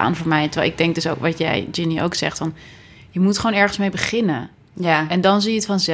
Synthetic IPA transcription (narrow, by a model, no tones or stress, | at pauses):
a̰ːnvoːɹmɛjtəɹʋɛ̰lˠɪɡ̚dɛŋk̚døsoʊkʋɑtjɛ̰jd͡ʒɪniʔo̰wksɛ̰χtfɑn | jəmutχownɛɹχənsmejbəχɪnə | aɛndɑnzijəətfɑnzɛ